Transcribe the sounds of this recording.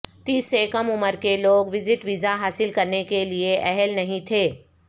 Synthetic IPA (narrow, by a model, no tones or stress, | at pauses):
t̪iːsːekəmʊməɾkeloːɡʋɪzɪʈʋɪzaɦaːsɪlkɐɾnekelieʔɛɦɛlnɐɦĩt̪ʰeː